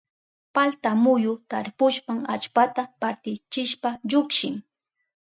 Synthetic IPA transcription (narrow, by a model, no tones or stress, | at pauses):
palt̪amʊjʊt̪aɾpʊʃpaŋa̰t͡ʃpat̪apaɾt̪ɪt͡ʃɪʃpaʎʊkʃɪŋ